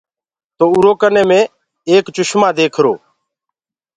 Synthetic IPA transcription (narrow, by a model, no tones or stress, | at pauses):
t̪oːʊɾoːkənẽːmẽː | eːkt͡ʃʊʃmãːd̪eːkʰɾo̰ː